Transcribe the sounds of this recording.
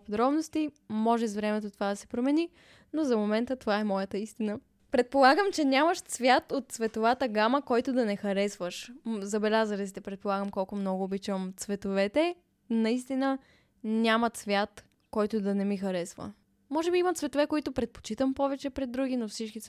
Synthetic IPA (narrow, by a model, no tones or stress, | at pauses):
pod̪ɾɔbnost̪i | mɔʒɛzvɾɛmɛt̪ot̪ovad̪ɐsɛ̥pɾomɛni | nozɐmomɛnt̪ət̪ovaɛmɔjət̪əist̪inə | pɾɛt̪̚polˠaɡəmt͡ʃɛnʲjaməʃt̪svʲjat̪ot̪̚svɛt̪ovat̪əɡaməkɔjt̪od̪ɐnɛxɐɾɛsvəʃzɐbɛlʲazəɾɛt̪it̪ɛpɾɛt̪̚polˠaɡəmkɔlˠkomnɔɡʊːbit͡ʃəmt̪svɛt̪ovɛt̪ɛ | nɐist̪inə | nʲamɐt̪svʲjat̪ | kɔjt̪ʊd̪ɐnɛmixɐɾɛsvə̰ | mɔʒɛbiimɐt̪svɛt̪ovɛkoit̪ʊpɾɛt̪̚po̥t͡ʃit̪əmpɔvɛt͡ʃɛpɾɛd̪ːɾuɡinofsit͡ʃkit̪